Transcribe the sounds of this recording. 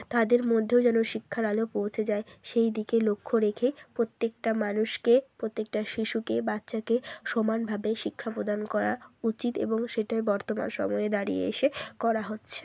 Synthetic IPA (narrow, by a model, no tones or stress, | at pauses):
t̪ad̪eɾmod̪ʱːeod͡ʑɛnoʃikʰːaɾalopowt͡ɕʰed͡ʑaeʃejd̪ikelokʰːoɾekʰepɾot̪ːek̚ʈamanuʃkepɾot̪ːek̚ʈaʃiʃukebatːɕakeʃomanbʱabeʃikʰːapɾod̪ankɔɾa̰ut͡ɕit̪ḛboŋʃeʈaebɔɾt̪oma̰nʃɔ̰mɔeed̪aɾḭḛḛʃekɔɾaɦotːɕʰe̥